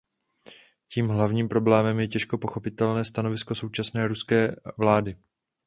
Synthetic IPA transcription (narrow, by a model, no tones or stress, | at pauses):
ciːmɦlavɲiːmpɾo̞blɛːmɛmjɛcɛʃko̞po̞xo̞pɪt̪ɛlnɛːst̪ano̞vɪsko̞so̞wt͡ʃasnɛːɾuskɛːvlaːdɪ